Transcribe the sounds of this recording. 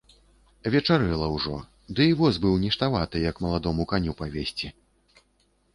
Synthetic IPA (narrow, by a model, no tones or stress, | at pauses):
vʲɛt͡ʂaɾɨlˠɐwʐɔ̰ | d̪ɨivɔzbɨwnʲɛʂt̪avat̪ɨjɐkmɐlˠad̪ɔmukanʲupavʲesʲt͡sʲi